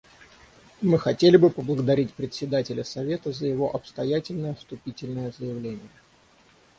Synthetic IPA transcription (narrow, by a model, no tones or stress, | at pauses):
mɨxɐtʲelʲɪbɨpəblˠəɡəd̪ɐɾʲitʲpɾʲɪt̪ʲsʲɪd̪atʲɪlʲəsɐvʲe̞t̪əzəjɪvo̞ʔɐpst̪ɐjætʲɪlʲnəjəst̪ʊpʲitʲɪlʲnəjəzəjɪvlʲenʲɪjə